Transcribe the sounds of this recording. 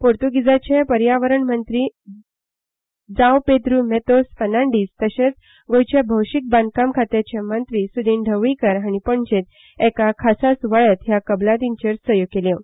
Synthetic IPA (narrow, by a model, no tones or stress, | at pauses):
poɾt̪uɡid͡zat͡ɕẽpəɾjaʋəɾəɳmənt̪ɾiː | d͡zawpet̪ɾumet̪osfənaɳɖiːst̪əɕẽt͡s | ɡojt͡ɕabʱəwɕik̚band̪̚kamkʰat̪jat͡ɕemənt̪ɾisud̪ʱĩːnɖʱəʋɭikəɾɦaɽ̃ipəɳd͡ʑet̪ | ɛkakʰasasʋaɭət̪ɦjakəblat̪iɲt͡ɕeɾsəjokeljẽ